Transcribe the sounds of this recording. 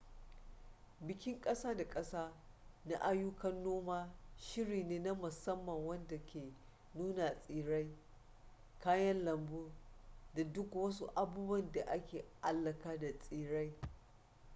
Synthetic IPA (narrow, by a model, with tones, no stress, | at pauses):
bɪ˨kʲɪ˦ŋkʼɐ˦saː˦da˨kʼɐ˦saː˦ | na˦ʔa˦jʊ˦kɐ˦nːoː˦maː˦ʃɪ˦ɽiː˨neː˦na˦mʊ˨sɐ˦mːɐ˨ŋwɐ˦nda˨kʲeː˨ | nuː˦na˨sʼiː˨ɽa˦j | kʰaː˦jɐ˦nlɐ˨mbuː˦da˨dʊ˦kwɐ˦su˦ʔa˨buː˦bwɐ˦˨nda˨ʔa˦kʲeː˨ʔa˦lːɐ˨kaː˦da˨sʼiː˦ɽa˦j